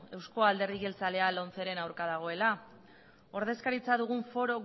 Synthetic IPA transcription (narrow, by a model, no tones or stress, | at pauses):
e̞wsko̞ald̪e̞ɾðiɣe̞lt͡sale̞alo̞nt͡se̞ɾe̞nawɾkaðaɣ̞o̞e̞la | o̞ɾð̞e̞skaɾit͡saðuɣ̞uɱfo̞ɾo̞ɣ